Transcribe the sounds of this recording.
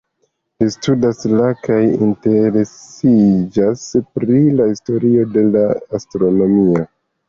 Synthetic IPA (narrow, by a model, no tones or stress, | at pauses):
listudaslakajḭnte̞ɾe̞sid͡ʒaspɾilahisto̞ɾio̞de̞laastɾo̞no̞mio